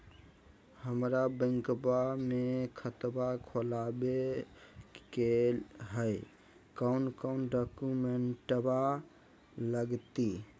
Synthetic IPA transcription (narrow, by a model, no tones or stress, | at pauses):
həmɾabə̃ŋkbamekʰət̪bakʰolabe | kelɦəj | kəwnkəʊnɖɔkumeɳʈba | ləɡt̪i